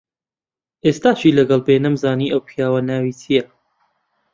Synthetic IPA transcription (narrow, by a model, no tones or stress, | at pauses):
ʔeːst̪aːt͡ʃiːlɐɡɐlbeːnɐmzaːniːʔɐwpʰijaːwɐnaːwiːt͡sijɐ